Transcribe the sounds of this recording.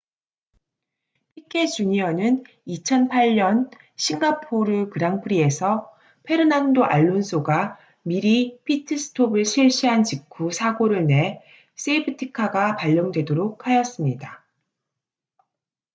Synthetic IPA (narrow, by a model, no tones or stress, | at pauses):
pʰik͈ʰe̞t͡ɕuɲiʌnɯn | it͡ɕʰʌnpʰaʎɲʌn | ɕʰiŋɡapʰoɾɯkɯɾaŋpʰɯɾie̞sʰʌ | pʰe̞ɾɯnandoʔa̰ɭːonsʰoɡa | miɾipʰitʰɯsʰɯ̥tʰobɯɭɕʰiɭɕ͈iɦant͡ɕikʰusʰaɡoɾɯɭne̞ | s͈eibʰɯtʰikʰaɡapaʎːʌŋdwe̞doɾok̚ʰhajʌs͈ɯmɲida